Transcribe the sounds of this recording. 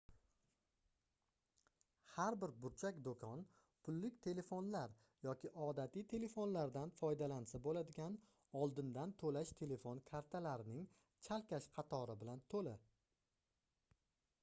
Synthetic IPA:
haɾbɪɾbʊɾt͡ʃʰakʲd̪okʰɒn | pʰʊlːɪkʲt̪ʰe̞le̞fonlaɾ | jɒkʲɪʔɒd̪at̪ʰɪjt̪ʰe̞le̞fonlaɾd̪anfɒjd̪alansabolad̪ɪɡʲan | ɒlˠd̪ɪnd̪ant̪ʰolaʃt̪ʰe̞le̞fo̞nkʰaɾt̪ʰalaɾɪnɪŋ | t͡ʃʰalkʲaʃqʰɑt̪ʰɒɾɪbɪlant̪ʰolɪ

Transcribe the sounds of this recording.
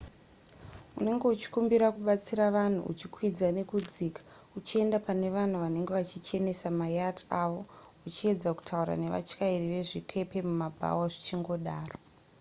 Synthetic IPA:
une̞ŋɡe̞ut͡ʃi̥kumbiɾakuɓat͡siɾaʋan̤ṵṵt͡ʃikwid͡zane̞kud͡ziːkḁ | ut͡ʃie̞ndapane̞ʋan̤uʋane̞ŋɡe̞ʋat͡ʃit͡ʃe̞ne̞samajataʋo̞ | ut͡ʃie̞d͡zaku̥tʰauɾa̰ne̞ʋa̰t͡ʃkairiʋe̞ʐikʰe̞pe̞mumabʱa̰waʐit͡ʃiŋɡo̞ɗaːro

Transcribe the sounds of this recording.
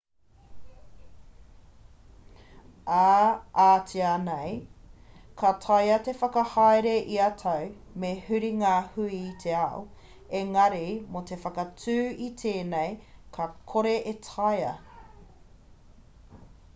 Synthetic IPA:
aaːtianej | kʰɐtʰɐjɐtefɐkɐhajɾeʔiɐtʰɐw | mehʉɾiŋaːhʉiːtʰeao | eŋɐɾimotʰe̞fɐkɐt͡sʰʉːitʰeːnejkʰɐkʰoɾeʔetʰɐjɐ̰

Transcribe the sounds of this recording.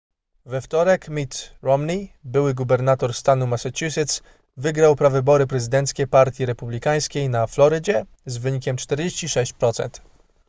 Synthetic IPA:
vɛft̪ɔɾɛkmʲit̪ɾɔmnʲibɘwɘɡubɛɾnat̪ɔɾst̪anumasat͡ɕusɘt̪s | vɘɡɾawpɾavɘbɔɾɘpɾɛzɘd̪ɛnt̪skʲɛpaɾt̪ʲjiɾɛpublʲikaj̃skʲejnaflɔɾɘd͡ʑɛ | zvɘɲikʲɛmt͡ʂt̪ɛɾd͡ʑeɕt͡ɕiʂɛɕt͡ɕpɾɔt̪sɛ̰nt̪

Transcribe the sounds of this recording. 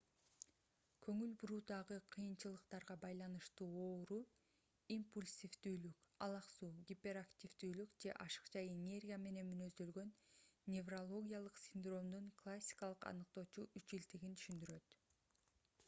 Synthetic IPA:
kʰɵŋylbuɾuːd̪ɑʁɯqʰɯjɯnt͡ʃɯlˠɯqt̪ɑɾʁɑbɑjlˠɑnɯʃt̪uːo̞ːɾu | impulʲsʲifd̪yːlykɑlˠɑqsuːɡʲipʲe̞ɾaktʲivd̪yːlykd͡ʒe̞̰ʔɑʃɯ̥qt͡ʃɑjenʲe̞rʲɡʲijame̞ne̞nmynø̞zd̪ø̞lɡø̞nːʲe̞vrolˠo̞ɡʲijalˠɯqsʲɪnd̪ro̞md̪uɴklˠasʲːi̥kɑlˠɯqɑ̰nɯq̚t̪o̞ːt͡ʃuʔyt͡ʃilt̪iɡint̪ʰy̥ʃynd̪yɾø̞t̪

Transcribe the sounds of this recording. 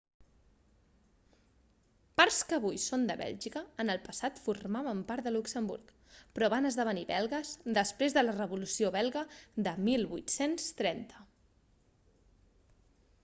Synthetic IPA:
paɾskəβ̞ujsond̪əβɛ̰lʲʒikəːnəlˠpəsat̪furmaβəmpaɾt̪d̪əluksəmbṵɾk | pɾɔβanəzðəβ̞əniβɛlˠɣəzd̪əspɾezðələrəβulusioβɛlˠɣəðəmilˠβut̪senst̪ɾɛnt̪ə̥

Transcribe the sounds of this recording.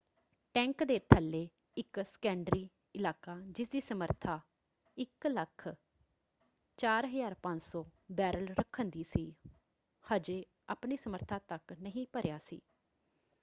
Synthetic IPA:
ʈɛ̃ːŋkd̪eːt̪ʰəlːeː | ɪksə̥kɛ̃ːɳɖɾiː | ɪlaːkaːd͡ʒɪsd̪iːsəməɾt̪ʰaː | ɪkləkʰ | t͡ʃaːɾɦəzaːɾpə̃ɲd͡ʒsɔːbɛːɾəlɾəkʰənd̪iːsiː | həd͡ʒeː | a̰ːpniːsəməɾt̪ʰãːt̪əknəɦĩːpəɾjaːsḭː

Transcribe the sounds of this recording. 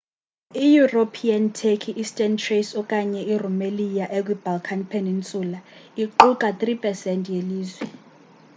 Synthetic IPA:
ijuropʰiantʰekʰiʔːstʼɛntʰresɔkʼaɲɛʔirumelijaʔek̬wib̥ʱalkʰanpʰenint͡sʼuːlaiǃukʼat̪ʼripʰʼɛsɛntʼjeliːzwɛ

